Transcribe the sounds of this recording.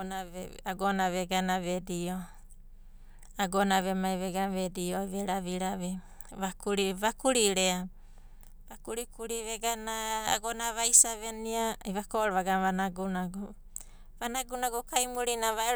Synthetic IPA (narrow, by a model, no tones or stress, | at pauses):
naaɡonaβeɡanaβedio | aɡonaβemaeβeɡanβedioβeɾaβiɾaβe | βakuɾiβakuɾiɾea | βakuɾikuɾiβeɡana̰ːɡonaβajsaβeniaiβakoʔɾβaɡamβanaɡunaɡu | βanaɡunaɡukajmuɾinaβae